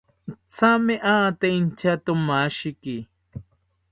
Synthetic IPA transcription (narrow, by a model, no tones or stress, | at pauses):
t͡sameʔat̪eint͡ʃat̪omaʃiki